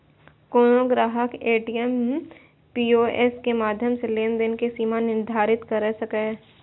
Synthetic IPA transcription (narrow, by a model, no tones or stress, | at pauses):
koːnoɡɾaːɦəkeːʈijem | piːoːʔeskemaːd̪ʱjəmseleːnd̪enkisiːmanɪɾd̪ʱaːɾɪt̪kɐɾɛsɐkeː